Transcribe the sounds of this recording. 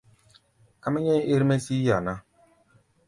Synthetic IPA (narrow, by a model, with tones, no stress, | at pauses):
ka˦ma˦ɲɛ˦ʔe˦ɾmɛ˦si˦ja˨nã˦